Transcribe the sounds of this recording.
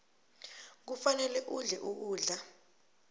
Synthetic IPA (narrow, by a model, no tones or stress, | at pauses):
k̬ufanɛlɛʔuɮɛʔuʔuːɮa